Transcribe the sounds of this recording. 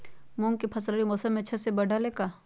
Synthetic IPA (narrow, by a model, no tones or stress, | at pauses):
mũːŋɡkipʰɐsləɽimoːsəmːẽt͡ʃʰɐsebɐɖʱalekaː